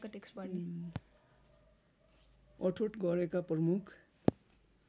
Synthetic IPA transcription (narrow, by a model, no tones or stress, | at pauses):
kaʈekspʌn | ʌʈʰoʈɡʌɾekaprʌmukʰ